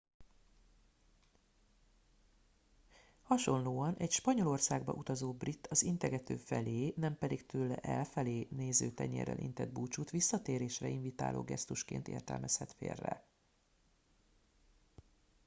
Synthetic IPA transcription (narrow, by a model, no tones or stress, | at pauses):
hɒʃo̞nloːɒnʔɛcʃpɒɲo̞lo̞rsaːɡbɒ̰ʔut̪ɒzoːbrit̪ːɒzint̪ɛɡɛt̪øːfɛleːnɛmpɛd̪ikt̪ʰøːlɛ̰ʔɛlfɛleːneːzøːt̪ɛɲɛ̰ɾɛ̰lʔḭnt̪ɛd̪̚buːt͡ʃut̪ʋisːɒt̪eːɾeːʃrɛiɱvit̪a̰ːlʔo̰ːɡɛst̪uʃkḛːnt̪ḛːrt̪ɛ̰lmʔɛshɛt̪fḛːrːɛ̰